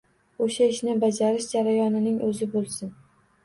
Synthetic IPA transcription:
oʃaɪʃnɪbad͡ʒaɾɪʃd͡ʒaɾajɒnɪnɪŋʔɵzɪbolˠsɪn

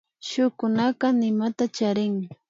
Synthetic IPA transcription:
ʃʊkʊnaqɑnɪmat̪at͡ʃaɾɪŋ

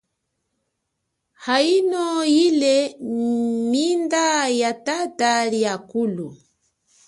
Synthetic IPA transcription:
hainɔjilɛ | mindajatataljakulu

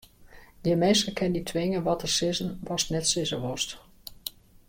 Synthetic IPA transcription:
jəmejstəkʰɛnditʰʋɪŋəʋɔtərsɪzənʋɔstnɛtsɪzəʋɔst

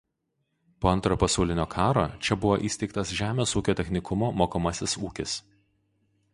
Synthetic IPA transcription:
poːɐnt̪ɾoːpɐsɑˑʊlʲɪnʲoːkʰɑːɾoːt͡ʃʲɛbʊʋoːʔiːsʲt̪ʲɛɪkt̪ɐsʒʲæːmʲeːsuːkʲoːt̪ʲɛxʲnʲɪkʊmoːmoːkomɐsʲɪsuːkʲɪs

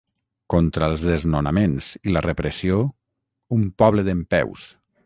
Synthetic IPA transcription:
kɔnt̪ɾəlˠzðeznonamenzilərəpɾəsio | umpɔβləðəmpɛ̰ws

